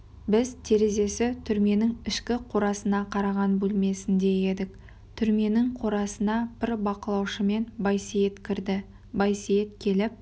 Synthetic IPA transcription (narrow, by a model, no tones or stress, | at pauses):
bɪzt̪ʰe̞ɾe̞ze̞sɪt̪ʰʏɾme̞nɪŋɪʃkʲɪqʰoɾɑsənɑqʰɑɾɑʁɑnbɵlme̞sɪnd̪e̞je̞d̪ɪk̚ | t̪ʰʏɾme̞nɪɴqʰo̞ɾɑsənɑb̥ɪɾbɑqəlˠɑwʃəme̞njset̪kʲɪɾd̪ɪ | bɑjsiet̪̚kʲʰe̞lɪp̚